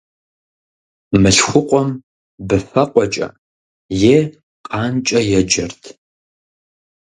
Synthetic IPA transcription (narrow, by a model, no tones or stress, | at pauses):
mɨɬxʷʊqʷʼɔm | bɨfɐqʷʼɔt͡ʃʼɐ̰ | jeː | qʼɑːnt͡ʃʼɐjɛd͡ʒɐrtʰ